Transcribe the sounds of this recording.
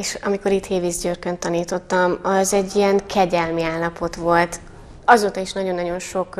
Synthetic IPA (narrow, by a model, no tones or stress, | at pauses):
eːʃɒ̰miko̞ɾit̪heːvizɟørkønt̪ːɒniːt̪o̞t̪ːɒmɒzɛɟːijɛŋkʰɛɟɛlmiaːlːɒpo̞t̪ʋo̞lt̪ | ɒzoːt̪ɒiʃnɒɟo̞nːɒɟo̞nʃo̞k